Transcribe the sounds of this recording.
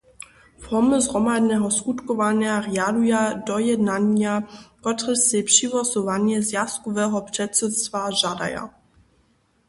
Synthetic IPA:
fɔməzʁɔmadnɛɦɔskut̪kɔvaɲjarɛalujadɔjɛdnaɲjakɔt̪rɛsɛpʂivɔsɔvaɲjɛzjast̪kɔvɛːɦɔprɛtsɛtst̪vaʒada̰ja̰

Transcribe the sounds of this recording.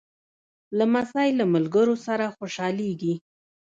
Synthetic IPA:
lamasajlamalɡəɾosaɾaxoʃɑleɡi

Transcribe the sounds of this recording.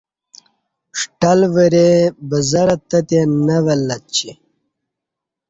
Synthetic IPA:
ʂʈɐlʋəɾebəzɐɾɐt̪ɐt̪enɐʋɐlːɐt͡ɕʰi

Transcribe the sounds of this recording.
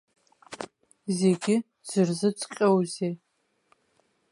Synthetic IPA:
zeːɡʲɪ | z̥ɨrzɨt͡sʼqʲʼɐwzeː

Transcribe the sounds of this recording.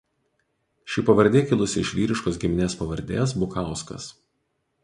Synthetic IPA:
ʃʲɪˑpɐʋɐɾʲd̪ʲeːkʲɪlˠʊsʲɪɪʃʲʋʲiːɾʲɪʃkoːsɡʲɪmʲɪnʲeːspɐʋɐɾʲd̪ʲḛːs̬bʊkɑˑʊskɐ̰s

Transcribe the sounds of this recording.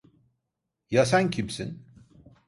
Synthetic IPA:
jasæncʰimsḭn

